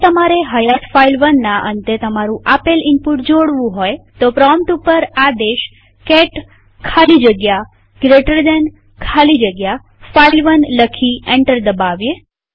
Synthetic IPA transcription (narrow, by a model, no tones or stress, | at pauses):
t̪əmaɾeɦəjat̪failʋənːaʔə̰nt̪et̪əmaɾũʔapelɪmpuʈd͡ʒoɽʋũɦojt̪opɾɔmʈupəɾad̪eʃ | kɛʈ | kʰalid͡ʒəɡja | ɡɾeʈəɾd̪ɛn | kʰalid͡ʒəɡja | failʋənləkʰiẽɳʈəɾd̪əbaʋje